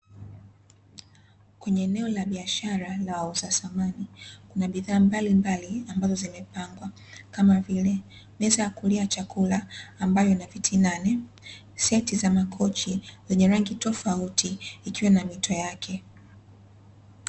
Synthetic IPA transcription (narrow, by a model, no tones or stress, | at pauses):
kwɛɲɛːnɛɔlaɓiaʃaɾalawauzasamanikunaɓiðaːmbalimbaliambazɔzimɛpaŋɡwa | kamavilɛ | mɛzajakuliat͡ʃakulaːmbajɔnavitʰinanɛ | sɛtizamakʰɔt͡ʃizɛɲɛɾaŋɡitɔfautiːkiwanamitʰɔjakʰɛ